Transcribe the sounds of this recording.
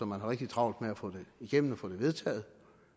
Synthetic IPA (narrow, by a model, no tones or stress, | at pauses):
ɒ̽mːænɦɑ̈ʁeɡ̥̚d̥it͡sʰʁɑ̈ʊ̰ld̥meæfɔ̽d̥e̝iɡ̥em̰n̩ɒfɔ̰̽ːd̥e̝ʋe̝ð̞ˠt͡sʰɛ̰ːð̩ˠ